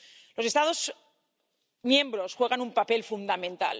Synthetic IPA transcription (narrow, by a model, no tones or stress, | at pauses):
lo̞se̞st̪aðo̞z | mjẽ̞mbɾo̞sxwe̞ɣ̞anumpape̞lfund̪amẽ̞nt̪a̰l